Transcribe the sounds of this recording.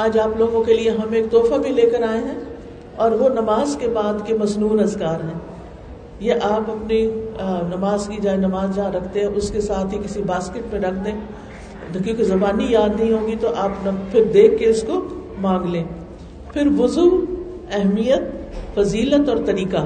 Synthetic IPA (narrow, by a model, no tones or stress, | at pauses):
aːd͡ʒaːploːɡõkelieɦɐmeːk̚t̪ɔːfabʱileːkɐɾaːeɦɛ̃ː | ɔːɾʋonɐmaːzkebaːd̪kemɐznuːnɐzkaːɾɦɛ̃ː | jeʔaːpɐpninɐmaːzkid͡ʒaːenɐmaːzd͡ʒaaɾɐkʰt̪ẽɦɛ̃ʔʊskesaːt̪ʰɦikɪsibaːskɪʈ̚mẽɾɐkʰd̪ẽː | kjõːkizɐbaːnijaːd̪nɐɦĩɦõːɡit̪oʔaːpnɐfʰɪɾd̪eːkʰːeʊskomãːŋɡlẽː | pʰɪɾʋʊzuː | ɛɦmijət̪̚fɐziːlət̪ɔːɾt̪ɐɾiːka